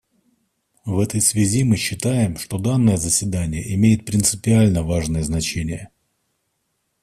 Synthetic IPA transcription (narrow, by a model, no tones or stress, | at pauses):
vɛt̪əjsvʲɪzʲimɨɕːɪt̪ajɪmʂt̪o̞d̪anːəjəzəsʲvʲɪd̪anʲɪjəʔɪmʲejɪt̪̚pɾʲɪnt̪sɨpʲɪalʲnəvaʐnəjəznɐt͡ɕenʲɪjə